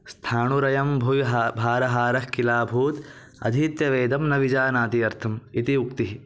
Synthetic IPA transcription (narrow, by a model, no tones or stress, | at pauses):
st̪ʰaːɳuɾɐjɐmbʱujɦbʱaːɾɐɦaːɾɐhkilaːbʱuːt̪ | ɐ̰d̪ʱiːt̪jɐʋeːd̪ɐmnɐʋid͡ʒaːnaːt̪iɐɾt̪ʰɐmit̪iukt̪iɦ